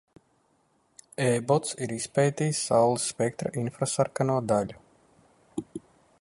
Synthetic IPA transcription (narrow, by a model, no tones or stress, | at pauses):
ɛːbɔt̪siɾispɛjt̪iːsːawlˠisːpɛk̚t̪ɾa̰ʔinfɾasaɾkanuɔd̪aʎʲu